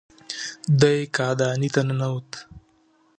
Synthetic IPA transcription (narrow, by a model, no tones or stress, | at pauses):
d̪ajkɑːd̪ɑːnit̪ɐnanawut̪